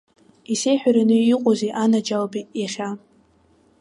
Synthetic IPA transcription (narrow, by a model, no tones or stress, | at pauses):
isejħᶣaɾanɨiqʼozeʔanad͡ʒalbijaχʲa